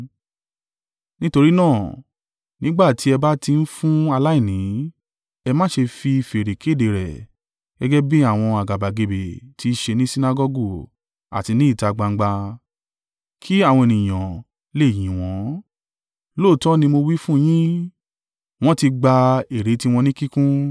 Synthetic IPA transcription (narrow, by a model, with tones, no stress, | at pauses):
nĩ˦to˧ɾi˦nãː˦˨ | nĩ˦ɡ͡ba˦˨ti˨˦ɛ˧ba˦ti˧n̩˦fũ˦a˧la˦i˦˨nĩ˨˦ | ɛ˧mã˦ʃe˧fi˧fe˨ɾe˨kʰe˦˨de˨ɾɛ̰˨ | ɡ̥ɛ˦ɡɛ˦bĩ˦a˦˨w̃ɔ̃˧a˨ɡa˨ba˨ɡe˨be˨tʰi˦ʃe˧nĩ˦si˦na˧ɡɔ˧ɡu˦˨ | a̰˨ti˧nĩ˦i˦˨ta˧ɡ͡ba˧ŋ̩˦ɡ͡ba˧ | kʰi˦a˦˨wɔ̃˧e˨nĩ˨j̃ã˨ | le˦˨j̃ĩ˨w̃ɔ̃˨˦ | lo˦˨tɔ˦nĩ˧mo˧wi˦fũ˦j̃ĩ˦ | w̃ɔ̃˦ti˧ɡ͡ba˧e˨ɾe˨˦ti˧˦w̃ɔ̃˧nĩ˦ki˦kũ˦